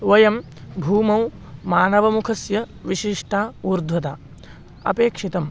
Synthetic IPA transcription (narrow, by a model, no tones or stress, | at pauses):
ʋɐjɐm | bʱuːmɐw | maːnɐʋɐmukʰɐsjɐʋiʃiʂʈʰaːuːɾd̪ʱʋɐt̪aː | ɐ̰peːkʂit̪ɐm